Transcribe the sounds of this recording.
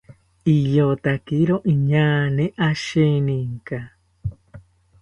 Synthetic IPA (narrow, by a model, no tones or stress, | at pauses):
ijot̪akiɾoʔĩɲãːnẽʔaʃenĩŋka